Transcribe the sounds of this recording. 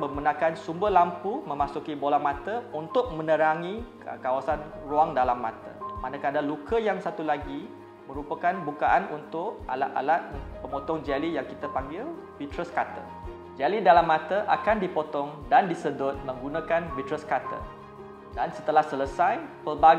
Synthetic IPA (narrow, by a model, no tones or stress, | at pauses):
məmənãkansumbəlampumə̃masukibolamat̪əunt̪ʊʔ̚mə̃nəɾaŋi | əkawasanruaŋdalamːãt̪ə̰manãkadalukəjaŋsat̪ulaɡi | mə̃ɾupakanbukaʔanunt̪ʊʔ̚alaa̰lat̪̚pəmot̪ɔŋd͡ʒalijaŋkit̪apaŋɡɪl | bit̪ɾəskat̪ə̰ | d͡ʒalidalamːãt̪əʔakandipot̪ɔŋdandisədʊt̪̚mə̃ŋɡunakanbit̪ɾəskat̪ə̰ | dansət̪əlahsələsajpəlbaɡ